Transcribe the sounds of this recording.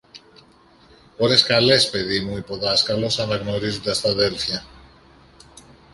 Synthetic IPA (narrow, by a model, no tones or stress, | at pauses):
poɾeskalespeðimujpoðaskalosanaɣnoɾizd̪ast̪aðelfja